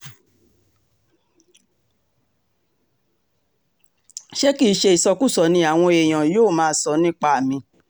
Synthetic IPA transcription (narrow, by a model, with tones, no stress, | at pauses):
ʃe˦ki˦ʃe˧i˨sɔ˧ku˦˨sɔ˨˦nĩ˧a˨w̃ɔ̃˧e˨j̃ã˨joː˦˨mãː˦˧˦sɔ˧˦nĩ˦k͡pa˧a˨mĩ˧